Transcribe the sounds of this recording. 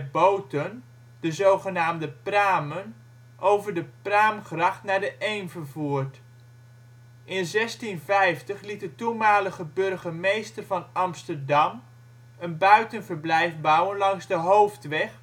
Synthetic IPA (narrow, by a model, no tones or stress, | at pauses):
bowtən | d̥əzowχənaːmdəpraːmən | ʔowvəɹdəpraːmχrɑχtnaːɹdəʔejnvəɹvuːɹt | ʔɪnzɛstinvɛjftəχlitdətumaːləχəbɵɹχəmejstəɹvɑnɑmstəɹdɑm | ənbœɥtənvəɹblɛjfbɔwənlɑŋzdəɦowftʋɛχ